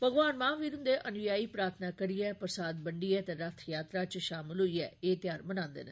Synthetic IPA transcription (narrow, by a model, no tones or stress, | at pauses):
pəɡʋaːnmãːʋiːɾʊ̃nd̪eːʔənʋɪjaːiːpɾaːɾt̪ʰnaːkəɾiːɛːpɾəsaːd̪bəɳɖiːɛːt̪eːɾət̪ʰjaːt̪ɾaːt͡ʃʃaːmɪlɦoːiːɛ̰ːeːt̪jaːɾmənãːnd̪ḛːneː